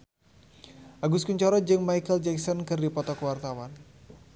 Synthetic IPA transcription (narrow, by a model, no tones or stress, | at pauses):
ʔaɡuskuɲt͡ʃɔɾɔd͡ʒɨŋmajkəld͡ʒɛksɔnkɨrdipɔt̪ɔkəwart̪awan